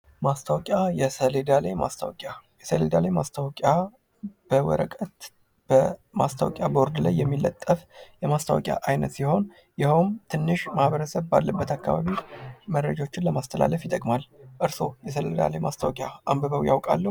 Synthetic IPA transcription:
mast̪ʰawkʼjajɛsəled̪alajma̰st̪ʰawkʼajɛsəled̪alajmast̪ʰawkʼa | b̥əwə̰ɾəkʼət̪ | b̥əma̰st̪ʰəa̰wkʼjabo̞ɾd̪lajːɛmːilːət̪ʼːəfjɛmast̪ʰawɔkʼja̰ʔajnə̰t̪siho̞n | jɪhomt̪ʰɨnːɨʃmahβəɾəsəβbalːəbːət̪ʰakːa̰βa̰βiməɾəd͡ʒao̞t͡ʃːɪnləmast̪ʰəla̰ləfjɪt̪ʼəkʼmalʔɨɾso̞jɛs̬əled̪a̰lajmast̪ʰawkʼjaʔambəβəwjawkʼa̰lːə

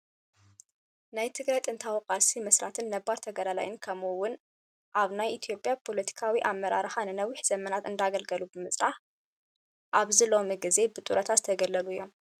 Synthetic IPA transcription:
najt̪ʰɨɡɾɐt̪ʼɨnt̪ʰawqʼasimɐslat̪ʰɨnːɐbːaɾt̪ʰɐɡɐlala̰jɪnkʰɐmuwʊn | ʔaβnajit̪ʰijo̞pʼjapʰo̞lɐt̪ʰi̥kʰawiʔamːɐɾaɾɨxanɨnɐwiħz̥ɐmɐnat̪ɨnd̪aɡɐlɡɐlubɨmɨsʼɾaħ | ʔaβzilo̞miɡize̞bɨt̪ʼuɾɐt̪ʰat̪t̪ʰɐɡɐlːɐluɨjːo̞m

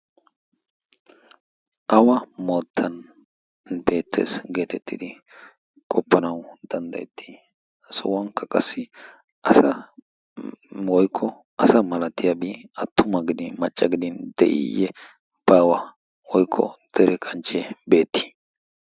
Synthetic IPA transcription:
ʔɐwɐmo̞ːt̪ʰːɐn | be̞ːt̪ʰːḛːsɡe̞ːt̪ɛt̪ːɪd̪ɪ | kʼɔpʰːɐnɐwd̪̥ɐnd̪ɐ̰jɛt̪ʰːi | sɔ̰wɐŋkːɐkʼɐsːɪ | ʔɐsɐ | wɔjkʰːɔ | ɐsɐmɐlɐt̪ːɪjɐbiːɐt̪ʰːʊmɐɡɪd̪ɪmɐt͡ʃʼːɐɡɪd̪ɪnd̪ɛ̰ʔɪ̰jɛ | b̥ɐwɐ | wɔjkʰːɔ̰d̪̥ɛɾɛkʼɐnt͡ʃʼːɛbe̞ːt̪ʰːi̥

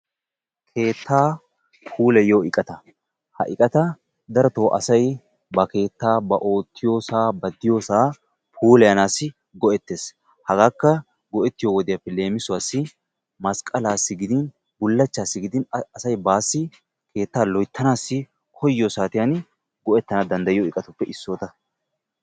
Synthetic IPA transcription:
kʰe̞ːt̪ʰːaː | pʰuːlɛjoːɪkʼɐt̪ɐ | hɐ̰ʔɪkʼɐt̪ɐ | d̪ɐɾɔt̪o̞ːʔɐ̰sɐj | bɐke̞ːt̪ːaːbɐʔo̞ːt̪ʰːɪjo̞ːsaːbɐd̪ɪjo̞ːsaː | pʰuːlɛjɐnaːsːɪ | ɡɔʔɛt̪ːe̞ːs | hɐɡaːkːɐ | ɡɔʔɛt̪ːɪjoːwɔd̪ɪjɐpːɛle̞ːmɪsʊwaːsːɪ | mɐskʼɐlaːsːɪɡɪd̪ɪn | bʊlːɐt͡ʃːaːsːɪɡɪd̪ɪnɐsɐjbaːsːɪ | ke̞ːt̪ːaːlɔjt̪ʰːɐnaːsːɪ | kʰɔjːɔsaːt̪ɪjan | ɡɔʔɛt̪ːɐnad̪ɐnd̪ɐjɪjoɪkʼɐt̪ʊpːɛʔɪsːoːt̪ɐ

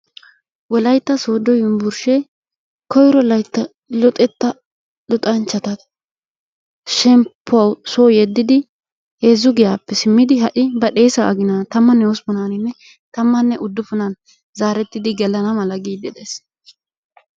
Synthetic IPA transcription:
wɔlɐjt̪ːɐso̞ːd̪ɔjʊmbʊɾʃɛ | kɔjɾɔlɐjt̪ːɐ | lɔt̪ʼɛt̪ːɐ | ɗɔt̪ʼɐnt͡ʃːɐt̪ɐ | ʃɛmpʰːʊɐwsoːjɛd̪ːɪd̪ɪ | he̞ːzːʊɡɪjaːpːɛsɪmːɪd̪ɪɦɐʔɪbɐɗeːsɐɐ̰ɡɪnat̪ɐmːɐnːɛɔspɔnaːnɪnːɛ | t̪ɐmːɐnːɛʔʊd̪ːʊfʊnɐn | zaːɾɛt̪ːɪd̪ɪɡɛlɐnɐmɐlɐɡiːd̪ɛd̪es

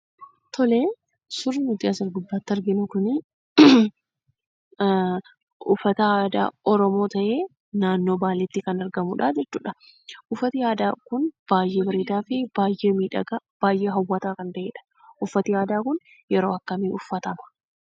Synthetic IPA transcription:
t̪ɔle̞ː | sʊɾːɪnʊt̪ɪaːsɪɾɡʊb̪ːaːt̪ːɐɾɡɪnʊkʊnɪ | ʔʊfːɐt̪ɐaːd̪a̰ːʔɔɾɔmo̞ːt̪ɐʔe̞ː | naːnːo̞ːbaːlɛt̪ːɪkɐnɐɾɡɐmuᶑaːd͡ʒɛt͡ʃːṵːᶑɐ | ʔʊfːɐt̪ɪaːd̪aːkʊnb̥aːjʔe̞ːbɐɾiːd̪aːfɪb̥aːjʔe̞ːmiːᶑɐ̰ɡab̥aːjʔe̞ːɦɐwːɐt̪aːkɐnt̪ɐʔeːᶑɐ̥ | ʔʊfːɐt̪ɪjaːd̪aːkʊn | jɛɾo̞ːɐkːɐmiːʊfːɐt̪ɐmɐ̥

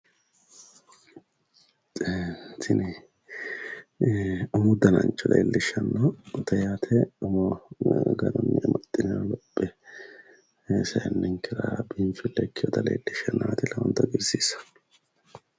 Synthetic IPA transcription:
t̪ʰɪnɪ | ʊmʊd̪ɐnɐ̰nt͡ʃʼːɔlḛːlːɪʃːɐnːɐt̪ɐjaːt̪ʰɛʊmɔɡɐd̪ɔnːɛmɐt̪ʼːɪnalɔpʼːɛ | sɐjnːɪŋkːɛɾɐbiːmfɪlːɛkːɪjɔt̪ɐlḛːlːɪʃɐnːat̪ɪlɐwɔnt̪ɐɡɪɾsiːsɐ̥

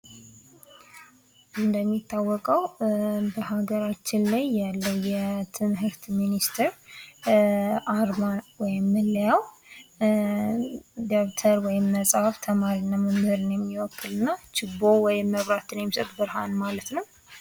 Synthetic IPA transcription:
ʔɨnd̪əmːit̪ʰːawːɔkʼəwbəɦaɡəɾat͡ʃːɪnlajːalːəwjɛt̪ʰɨmɦɨɾt̪minist̪ʰɨɾ | aɾmanwɔjɪmːɨlːəjaw | d̪okt̪ʰəɾwɔjɪmːəsʼft̪ʰəmaɾinːaməmhɨɾɨnjɛmːiwɔkːɨlɨnːat͡ʃɪbowɔjɪmːəβɾat̪ɨnjɛmːsət̪ʼbɨɾɦa̰nmalət̪nəw

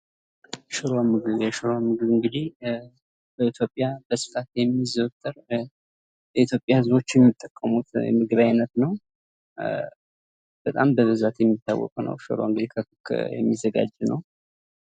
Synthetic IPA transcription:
ʃɨɾamɨɡɨβjɛʃɨɾoamɨɡɨβɨŋɡɨd̪ih | bəit̪ʰjo̞pʼːjabəsɨ̥fat̪jɛmːizəwt̪ʼːɨɾ | jɛit̪ʰjo̞pʼjahɨzβo̞t͡ʃːjɛmːit̪ʼːəkʼːəmut̪jɛ̰mɨɡɨβajɪnət̪nəw | b̥ət̪ʼambəβɨzat̪jɛmːit̪ʰːa̰wːɔ̰kʼnə̰wʃɨ̰ɾo̰ɨŋɡɨd̪ihkʰəkɨkʰːjɛ̰mːizːəɡa̰d͡ʒːnə̰w

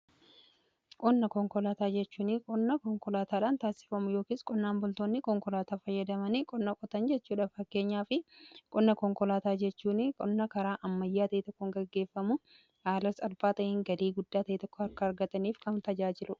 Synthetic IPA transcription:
kʼɔnːɐkɔŋkɔlaːt̪aːd͡ʒɛt͡ʃːuːnɪkʼɔnːɐkɔŋkɔlaːt̪aːᶑaːnt̪aːsɪ̥fɐmʊjo̞ːkiːskʼɔnːaːnbʊlt̪oːnːɪkɔŋkɔlaːt̪aːfɐjːɐd̪ɐmɐnɪkʼɔnːɐkʼɔt̪ɐnd͡ʒɛt͡ʃːuːᶑɐfɐkːe̞ːɲːaːfɪkʼɔnːɐkɔŋkɔlaːt̪aːd͡ʒɛt͡ʃːuːnɪkʼɔnːɐkɐɾaːʔɐmːɐjːaːt̪ɐit̪ɔkːɔŋɡɐɡːe̞ːfːɐmʊ | haːlɐsɐlbaːt̪ɐjɪŋɡɐliːɡʊd̪ːaːt̪ɐit̪ɔkːɔɐɾkːɐːɾɡɐt̪ɐniːfkɐmt̪ɐd͡ʒaːd͡ʒɪlʊᶑɐ̥

